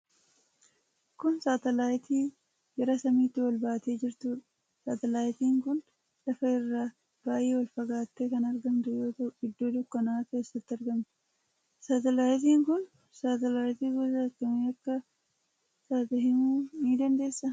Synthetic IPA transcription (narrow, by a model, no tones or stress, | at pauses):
kʊnsaːt̪ɐlaːjt̪ʰiː | ɡɛɾɐsɐmiːt̪ːɪwɐlbaːt̪e̞ːd͡ʒɪɾt̪uːᶑɐ̥ | saːt̪ɛlaːjt̪iːŋkʊn | lɐfɐɪrːaː | b̥aːjeːwɐlfɐɡaːt̪ːekɐnɐɾɡɐnd̪ʊjɐt̪ɐɪd̪ːo̞ːd̪ʊkːɐnaːke̞ːsːɐt̪ːɪɐɾɡɐmt̪ | saːt̪ɛlaːjt̪̬iːŋkʊn | saːt̪ɛlaːjt̪iːɡɔsɐkɐmeːɐkːɐ | saːt̪ɐɦɪmuːniːd̪ɐnd̪e̞ːsːɐ